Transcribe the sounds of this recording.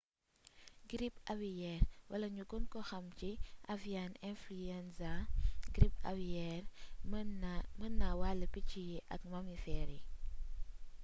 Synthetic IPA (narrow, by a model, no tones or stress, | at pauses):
ɡɾipawijɛrwɐlɐɲuɡɔnkɔxɐmciʔavianɛnfluɛnsaɡɾipa̰wijɛr | mənːawaləpicijiʔɐkmɐmifɛɾi